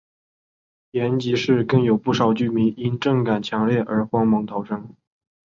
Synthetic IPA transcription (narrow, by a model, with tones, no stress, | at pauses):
jjɛ˧˥nt͡ɕi˧˥ʂɻ̩˥˧kɤ˥˩ŋjo˨˩ʊpu˥˩ʂɑ˨˩ʊt͡ɕy˥˩mi˧˥ŋi˥nʈ͡ʂɤ˥˩ŋka˨˩nt͡ɕʰjɑ˧˥ŋljɛ˥˩ʔə˞˧˥xwɑ˥ŋmɤ˧˥ŋt̪ʰɑ˨˩ʊʈ͡ʂɤ˥ŋ